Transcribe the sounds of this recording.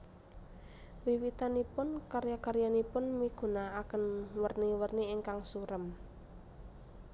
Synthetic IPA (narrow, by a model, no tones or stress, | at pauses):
wiwit̪anipʊnkaɾjakaɾjanipʊnmiɡ̥ṳnaakənwərniwərniːŋkaŋsuɾəm